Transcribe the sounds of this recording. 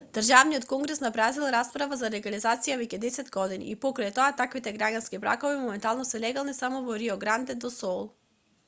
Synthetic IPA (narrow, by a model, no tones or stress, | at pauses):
d̪̥r̩ʒavnijɔt̪kɔŋɡɾɛsnabɾazilˠɾaspɾavazalɛɡalizat̪sijavɛcɛd̪ɛsɛd̪ɡɔd̪inḭːpɔkɾajt̪ɔat̪akvit̪ɛɡɾaɟanskibɾa̰kɔvimɔmɛnt̪alˠnɔsɛlɛɡalˠnisamɔvɔɾiɔɡɾand̪ɛd̪ɔsɔlˠ